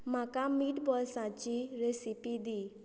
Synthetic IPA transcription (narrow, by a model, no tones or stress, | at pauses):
m̤akamiʈbɔlsãt͡ɕiɾesipid̪iː